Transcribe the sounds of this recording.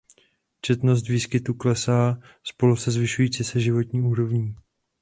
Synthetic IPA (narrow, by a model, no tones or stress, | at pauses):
t͡ʃɛt̪no̞s̬t̪viːskɪt̪uklɛsaː | spo̞lusɛzvɪʃujiːt͡sisɛʒɪvo̞t̪ɲiːuːɾo̞vɲiː